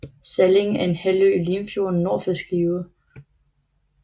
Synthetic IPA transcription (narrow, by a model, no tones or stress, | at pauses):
sæle̝ŋ̩æɐe̝nhæløːliːmfjo̝ɐnːoːfæsɡ̥iːʊɐ